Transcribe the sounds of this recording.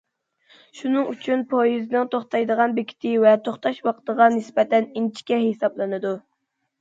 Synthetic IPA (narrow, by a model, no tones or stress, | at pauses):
ʃunɨŋyt͡ʃʰynpʰojiznɨŋt̪ʰoχt̪ɑjd̪əʁɑnbekʲʰi̥t̪ʰɪvɛt̪ʰoχt̪ɑʃwɑqʰt̪əʁɑnɪsbɛt̪ɛnint͡ʃʰi̥kʲɛɦesɑblˠɨnɨd̪u